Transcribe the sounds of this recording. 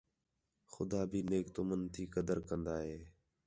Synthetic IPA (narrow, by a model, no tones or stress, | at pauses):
xʊd̪aːbʱiːneːkt̪ʊmənt̪ʰiːkəd̪əɾkənd̪aːɦeː